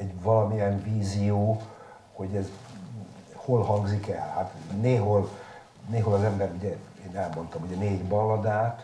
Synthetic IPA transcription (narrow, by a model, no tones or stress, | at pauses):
ɛɟvɒlɒmiɛnviːzijoː | ho̞ɟɛz | holhɒŋɡzikɛ̰lhat̪neːɦol | neːɦolɒzɛmbɛɾuɟɛ | eːnɛlmo̞nt̪ɒmuɟɛneːɟbɒlːɒd̪aːt̪